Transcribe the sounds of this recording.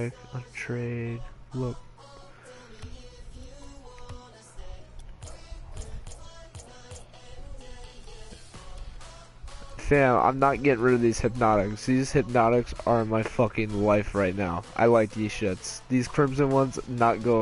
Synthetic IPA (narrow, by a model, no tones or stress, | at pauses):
ɪkə̃ntʰɹ̥eɪd̚lʊk̚ | fæ̃nã̰ɪ̃mnət̚ɡ̥ɛɾɪ̃ŋɹɪɾʌvðiz̥hɨp̚nɑɾɪksðiz̥hɨp̚nɑɾɨksə˞ɨ̃nmaɪfʌkɪ̃ŋlaɪfɹaɪtⁿnaʊʔa̰ɪlaɪk̚ði̥ʃʌtsðiz̥kʰɹ̥ɪ̃msɨ̃nwʌ̃nznət̚ɡ̥oʊ